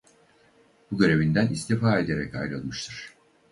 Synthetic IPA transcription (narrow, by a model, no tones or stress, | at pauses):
b̥uɟø̞ɾe̞vind̪ænist̪ʰifaːe̞d̪e̞ɾɛca̰jɾɯlˠɯʃt̪ʰɯɾ̥